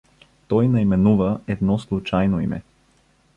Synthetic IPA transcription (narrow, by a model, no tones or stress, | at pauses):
t̪ɔjnɐimɛnuvɐɛd̪nɔslˠut͡ʃajnoḭmɛ̰